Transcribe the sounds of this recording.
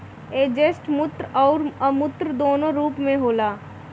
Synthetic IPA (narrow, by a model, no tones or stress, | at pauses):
eːd͡ʒesʈmʊt̪ɾɔːɾəmʊt̪ɾəd̪oːnõɾuːpmẽɦoːlaː